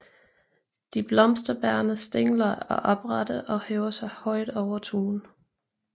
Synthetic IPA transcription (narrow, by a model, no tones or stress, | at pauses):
d̥ib̥lɒ̽msd̥ɐb̥æɐnəsd̥eŋ̰lɐɒ̽ʔɒ̽b̥ʁɑd̥əʔɒ̽hɛːʊɐsɑ̈ɪhɒ̽ɪd̥ɒʊɐt͡sʰuːn